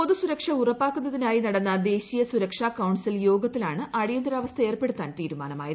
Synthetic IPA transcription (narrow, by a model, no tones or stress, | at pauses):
poðusuɾɐkʂɐurɐpːaːkːunːɐðinaːjinɐɽɐnːɐd̪e̞ːɕijɐsuɾɐkʂaːkːɐwɳɖsiljo̞ːɡɐt̪ːilaːɳɨʔɐɽijɐnd̪ɾaːʋɐst̪ʰɐe̞ːrpeɽut̪ːaːnt̪iːɾuma̰ːnɐma̰ːjɐðɨ